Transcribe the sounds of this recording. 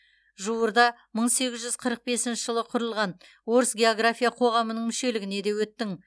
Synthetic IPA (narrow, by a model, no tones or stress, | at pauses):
ʒuwəɾd̪ɑ | məɴse̞ɡʲɪzʒʏzqʰəɾəq̚be̞sɪnʃɪʒəlˠəqʰʊɾəlˠʁɑn | wo̞ɾəsɡʲe̞oɡrafʲijaqʰo̞ʁɑmənəɴmʏʃe̞lɪɡʲɪne̞d̪e̞wɵt̪ːɪŋ